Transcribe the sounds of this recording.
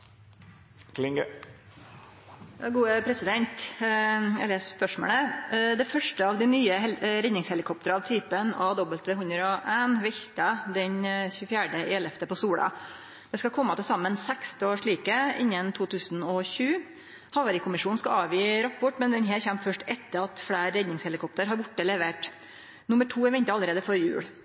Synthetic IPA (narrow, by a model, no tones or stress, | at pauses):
kʰlɪŋɡə | jɑɡuːəpʰɾɛsɪd̪ɛnt̪ | jæ̰leːsspœʂmo̰ːləd̪ɛfœʂʈəɑʋd̪ɪnyːəɛɾɛnːɪŋshɛlɪkʰɔp̚t̪əɾɑʋt̪ʰyːpənɑʋd̪ɔbəlt̪ʋɛhʉnd̪ɾɔʔæːnʋɛçt̪ɑd̪ɛɲçʉːfjæːɖəʔɛːlɛft̪əpɔsuːɽɑ̰ | d̪̥ɛskɑkʰɔmːɑt̪ɪlsɑmːənsɛkst̪oːʂɭiːkəɪ̰nːənt̪ʰuːt̪ʰʉːsnɔçʉː | hɑʋɑɾɪkʰʊmɪʂuːnn̩skɑɑːʋjiːɾɑpʰɔʈːmɛnd̪ɛnɦeːɾçɛmt̪fœʂʈɛt̪ːəɾɑt̪fɽæːɾɾɛd̪nɪŋshɛlɪkʰɔp̚t̪əɾɦɑɾbʊʈːəlɛʋeːʈ | nʊmːəʈʰuːɛɾʋɛnt̪əɑlːəɾeːd̪əfɔɾjʉ̰ːɽ